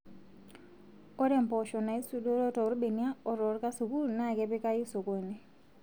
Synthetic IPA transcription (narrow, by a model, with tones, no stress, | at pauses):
ɔ˦ɾɛ˨mpɔ˨ʃɔ˨na˨i˦su˨do˦ɾɔ˦tɔ˨ɾbe˨ni˦a˦ɔ˨ɾɔ˨˦ɾka˦su˨ku˦ɾna˦˨kɛ˦pɪ˦ka˦ji˦so˨kɔ˨nɛ˨